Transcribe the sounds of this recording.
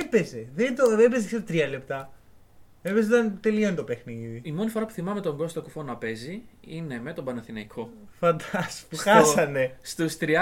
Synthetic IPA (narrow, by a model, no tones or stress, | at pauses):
epe̞zeðet̪oebezkseɾt̪ɾiɐlept̪ɐ | epez̬ot̪ɐnt̪e̞liont̪o̞pe̞xniðiimo̞nifoɾɐpu̥θimɐme̞t̪o̞ŋɡo̞st̪okufo̞nɐpe̞ziine̞me̞t̪obɐnɐθinɐikʰo̞ | fɐnd̪ɐspuxɐsɐne̞st̪ust̪ɾi